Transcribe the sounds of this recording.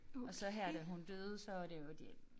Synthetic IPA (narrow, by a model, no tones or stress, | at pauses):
ɒ̽sɒ̽ɦæɐ̰d̥æɦund̥ø̰ːð̩ˠsɒ̽ʋɑd̥e̝jod̥e